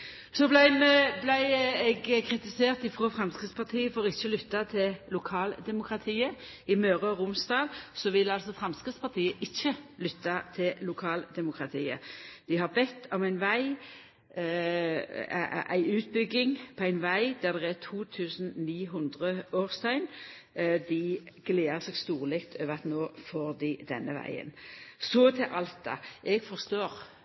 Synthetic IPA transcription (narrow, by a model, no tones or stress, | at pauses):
sɔblæɪmɛblæɪɛɡkʰʁɪt̪ɪseːʁt̪ɪfʁoːfʁɑmskʁɪt̪spʰɑʁt̪ʰiːəfɔʁɪçːəlʏt̪ːɑt̪ʰɪllʊkʰɑːld̪ɛmʊkʁɑt̪ʰiːə | ɪmøːʁəɔʁʊmsd̪ɑːlsɔʋɪlɑlsɔfʁɑmskʁɪt̪spʰɑʁt̪ʰiːəʔɪçːəlʏt̪ːɑt̪ʰɪllʊkʰɑːld̪ɛmʊkʁɑt̪ʰiːə̰d̪̥ɪhɑʁbɛt̪ːɔmæɪnʋæɪ | ʔæ̰ɪʉːt̪̚bʏɡɪŋpʰɔæɪnʋæɪd̪æʁd̪ɛʁɛt̪ʰuːt̪ʰʉːsn̩niːɦʊnd̪ʁəoːʁst̪ʰɑɪn | d̪ɪɡ̥leːəʁseːɡst̪uːʁlɪkt̪ʰøːʋəʁɑt̪noːfoːʁd̪ɪd̪ɛ̰nːəʋæ̰ɪə̰nsɔt̪ʰɪʔɑlt̪̚d̪ɑ̰ʔɛɡfɔʁst̪oːʁ